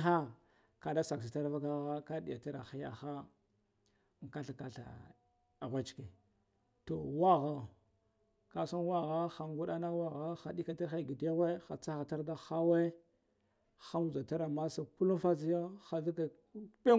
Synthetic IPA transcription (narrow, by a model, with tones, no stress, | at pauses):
a˦ | ka˨da˦sa˨ks̬i˨ta˦ɾva˦ɡa˦ɣa˦ka˦di˨ja˨ta˦ɾa̰˨xi˦ja̰˨xa˦˨ | ŋ˨ka˦ɬa˨ka˨ɬa̰˨ | a˨ɣʷa˦t͡ʃke˨ | to˨wa˦ɣa˨ | ka˨sa˦nwa˦ɣa˦xa˨ŋɡu˦ɗa˦na˦wa˦ɣa˦xa˨di˦ka˨ta˦ɾxa˦˨ɡi˨da˦ɣʷe˦xa˨t͡sa˦xa˨ta˦ɾda˦xa˦we˦ | xa˦mu˨za˨ta˦ɾa˨ma˦sa˨ku˦lu˦fa˦zi˦jo˦xa˨ɮu˦ka˨˦ | ɓe˦